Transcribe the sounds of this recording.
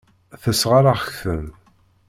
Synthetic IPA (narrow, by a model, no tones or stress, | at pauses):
θəsʁaɾaχəçθəm